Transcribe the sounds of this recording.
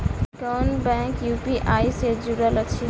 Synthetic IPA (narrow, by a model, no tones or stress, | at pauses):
kanbɛ̃ŋkjupiʔajsed͡ʒuɾələt͡ʃʰi